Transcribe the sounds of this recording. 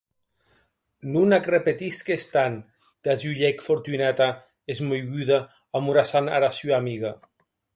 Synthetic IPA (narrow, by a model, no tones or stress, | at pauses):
nunakrepet̪iskest̪an | d̪̥azuʎɛkfoɾt̪ynat̪a | ezmojɣyða | amuɾasana̰ɾasuamiɣa